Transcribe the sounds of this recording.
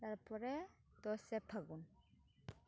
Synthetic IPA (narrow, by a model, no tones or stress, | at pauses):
t̪aɾpɔɹɛ | t̪ɔsɛpʰaɡun